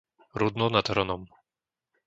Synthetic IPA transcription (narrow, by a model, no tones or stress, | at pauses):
ɾud̪nɔnad̪ɦɾɔnɔm